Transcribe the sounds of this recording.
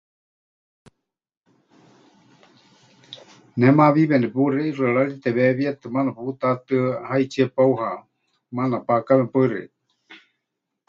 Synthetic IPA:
nɛmaβiβɛnɛpuɾɛirɨaɺaɺit̪ɛβɛβiat̪ɨmanapuput̪at̪ɨhait͡ʃʰiepauha | manapakaβɛpaɨɾɛ̰

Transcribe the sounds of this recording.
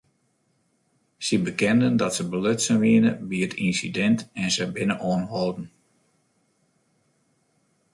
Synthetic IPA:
səbəkɛndəndɔtsəbəløtsənʋiənəbiətinsidɛntɛnsəbɪnəʔoːnɦɔlˠdn̩

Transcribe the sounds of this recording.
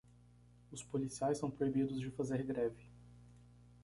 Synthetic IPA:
ʊspolisiajsɐ̃w̃pɾoibid̪ʊzd͡ʒɪfazeɾɡɾɛvɪ

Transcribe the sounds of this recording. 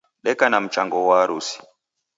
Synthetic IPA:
ɗɛkanam̩t͡ʃaŋɡɔwaːɾusi̥

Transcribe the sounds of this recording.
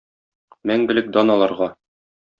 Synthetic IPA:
mæŋɡɘ̆lɘk̚d̪ɒnɒlˠɑɾʁɑ

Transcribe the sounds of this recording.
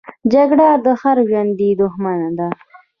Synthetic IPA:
d͡ʒaɡɽad̪əxaɾʒand̪id̪ʊxmanad̪a

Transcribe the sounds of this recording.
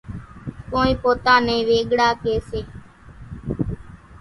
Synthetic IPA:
kõːnĩːpoːt̪aːnẽːʋeːɠɽaːkeːseː

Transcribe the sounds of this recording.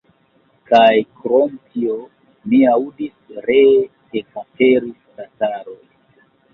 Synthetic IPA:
kajkɾomtio | miawudisɾe | ekateɾistataɾoj

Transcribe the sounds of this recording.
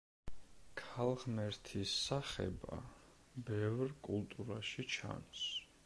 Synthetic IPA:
kʰalˠʁmɛɾt̪ʰisːaχɛ̰ba̰ | bɛvɾkʼulˠt̪ʼuɾaʃit͡ʃʰa̰ns

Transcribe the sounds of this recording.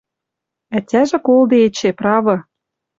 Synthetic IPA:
ætʲæʒĕkold̪ĕet͡ɕeprɑβɤ̆

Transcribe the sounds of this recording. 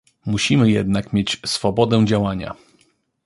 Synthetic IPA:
muɕimɘjɛ̰d̪nakmʲjet͡ɕsfɔbɔd̪ɛd͡ʑawaɲa̰

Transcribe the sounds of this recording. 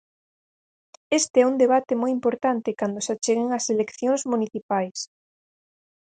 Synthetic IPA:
est̪eɛuŋd̪eβat̪ɪmojimpoɾt̪ant̪ɪkand̪ʊsat͡ʃeɣɪŋɐselekθjoŋzmuniθipajs

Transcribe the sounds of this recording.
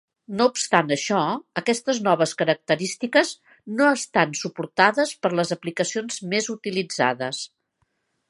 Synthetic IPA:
noupst̪anəʃɔəkɛst̪əznɔβəskəɾək̚t̪əɾist̪ikəz | noəst̪ansupuɾt̪aðəspəɾləzəplikəsionzmezut̪ilid͡za̰ðəs

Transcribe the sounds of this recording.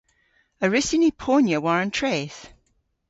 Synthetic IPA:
əɹɪsɪnipʰonjəwaɹə̃ntʰɹ̥eːθ

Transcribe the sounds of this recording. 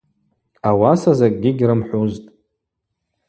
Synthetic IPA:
awasazakʼɡʲɪɡʲrɨmħuztʼ

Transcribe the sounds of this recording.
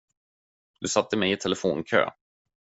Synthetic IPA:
d̪̥ɵsat̪ːəmɛjɪt̪ʰɛlɛfoːnkʰø̰ː

